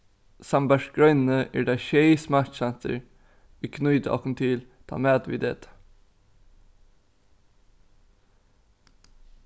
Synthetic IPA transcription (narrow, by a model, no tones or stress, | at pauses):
sæmbæʃɡ̥ɹœʏnn̩əʔæ̰ːɖɑːçœɪsmætsænt̪ə̰ɹ | ʋiːkʰnʉʏd̪əʔɑ̰kən̩t̪ʰɪlt̪ʰɑ̰ːmeːd̪ʋḭːd̪ḛːt̪ə̥